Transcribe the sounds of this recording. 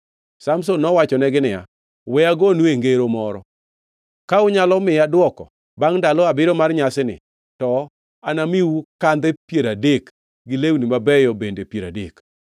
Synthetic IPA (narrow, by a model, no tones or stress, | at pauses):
samsonːɔwat͡ʃɔnɛɡɪnɪja̰ | wɛaɡonweŋɡeɾomɔɾɔ | kaʊɲalɔmɪjadwɔkɔ | baŋdalɔabɪɾɔmarɲasɪnɪ̰ | tɔ | anamiwukand̪ɛpjeɾadek | ɡɪlewnimabɛjɔbendepjeɾa̰dḛk